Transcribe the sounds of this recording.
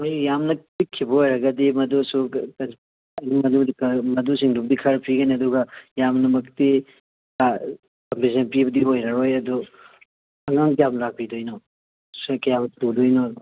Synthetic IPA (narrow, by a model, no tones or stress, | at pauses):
mɐjjamnɐtikʰːibɐojɾɐɡɐdimɐdusuɐ | ɐnimɐdudikmɐdusiŋdubɐdikʰɐɾpʰiɡɐniɐduɡɐjamnɐmɐkt̪i | a | kɐmpisɐnpibɐdiojɾɐɾojɐd̪u | ɐŋaŋpjamɾak̚pid̪ojnɔ | skɐjabɐtudojnodɐ